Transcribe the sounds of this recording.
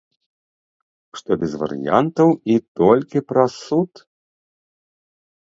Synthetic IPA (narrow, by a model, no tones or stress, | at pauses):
ʂt̪ɔd̪ɨzvɐ̰ɾɨ̰ja̰nt̪ɐwit̪ɔlʲkʲipɾɐsut̪